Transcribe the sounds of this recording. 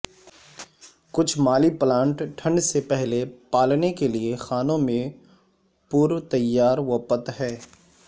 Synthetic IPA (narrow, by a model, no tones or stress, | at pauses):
kʊt͡ʃʰmaːliplãːɳʈʈʰɐ̃ɳɖsepɛɦlepaːlnekeliexaːnõmẽ | puɾt̪ɐjːaːɾʋəpət̪ɦɛː